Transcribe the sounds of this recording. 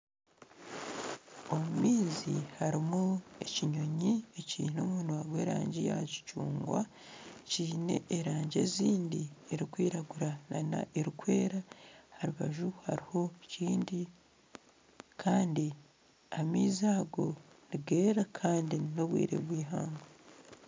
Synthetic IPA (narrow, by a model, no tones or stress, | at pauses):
o̞mumiːzḭhaɾimue̞ciɲo̞ɲiecḭːnomuːnwaɡwe̞ːɾa̰ːɲɟija̰ci̥cuːŋɡwa̰ | ciːne̞̰ʔeɾaːɲɟḛziːndieɾikwiːɾaɡuɾanana̰ʔeɾukwe̞ːɾahaɾuβaʒuhaɾiho̞ciːndi | kʰaːndi | amiːzaːɡo̞ | niɡe̞ːɾakʰaːndino̞βwḭːɾḛβwiːɦa̰ːŋɡa